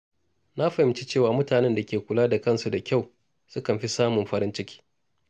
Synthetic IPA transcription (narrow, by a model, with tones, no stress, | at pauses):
na˦ɸɐ˨ɪ˨˦mt͡ʃi˦t͡ʃeː˦˨waː˨mʊ˦taː˨nɛ˦nda˨kʲeː˨kʷʊ˨laː˦da˨kɐ˦nsu˨da˨kʲa˦˨w | sʊ˦kɐ˨mɸi˦saː˦mʊ˨mɸɐ˦ɾɪ˦nt͡ʃɪ˦kʲʰi̥ː˦